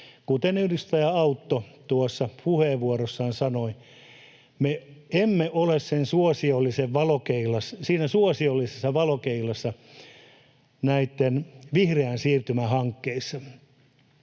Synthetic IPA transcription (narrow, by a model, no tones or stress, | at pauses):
kut̪enyhdist̪ɑjɑɑut̪ːot̪uosːɑpuheːʋʋuorosːɑːnsɑnoi | meemːeʔolessensuosiolːiseʋʋɑlokeilɑssiːnæsuosiolːisesːɑʋɑlokeilɑsːɑ | næit̪ːenʋihreænsiːrt̪ymæhɑŋkːeisːɑ